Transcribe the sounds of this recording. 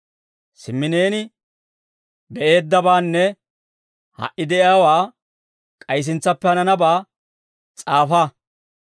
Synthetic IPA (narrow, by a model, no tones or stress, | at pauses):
sɪmːɪne̞ːnɪ | bɛʔe̞ːd̪ːɐbaːnːɛ | hɐ̰ʔɪd̪ɛʔjaːwaː | kʼɐjs̬ɪnt͡sːɐpːɛhɐnɐnɐbaː | t͡sʼaːfa